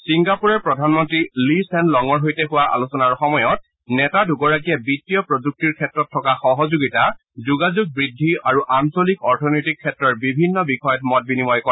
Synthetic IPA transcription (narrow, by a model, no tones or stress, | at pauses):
siŋɡapuɹɛɹpɹɔdʱanmɔntɹilisɛnlɔŋɔɹɦojtɛxʊwaʔa̰lusɔnaɹxɔmɔjɔt̚ | nɛtaduɡɔɹak̬ijɛbitːijɔpɹod͡ʒuk̚tiɹkʰɛtɹɔtʰːɔkaxɔɦɔzuɡita | zuɡazuɡ̚bɹidʱːiaɹuʔansɔlikɔɹtʰɔnojtikʰːɛtɹɔɹbibʱinːɔbixɔjɔtmɔt̚binimɔjkɔ